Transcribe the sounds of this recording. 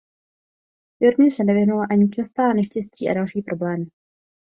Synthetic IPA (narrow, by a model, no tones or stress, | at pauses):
joɾɲɛsɛnɛvɪɦnulaʔaɲɪt͡ʃast̪aːnɛʃcɛsciːʔa̰dalʃiːpɾo̞blɛːmɪ